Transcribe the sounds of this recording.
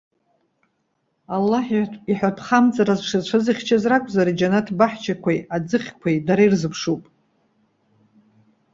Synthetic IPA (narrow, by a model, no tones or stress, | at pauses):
alːaħiiħʷᶣatʰχamt͡sʼaɾazʂɨzt͡ʃʷʰaziχʲt͡ʃʰazrakʷʼzaɾid͡ʒanatʰbaħt͡ʃʰakʷʰajad͡zɨχʲkʷʰajdaɾajrzɨpʰʂupʼ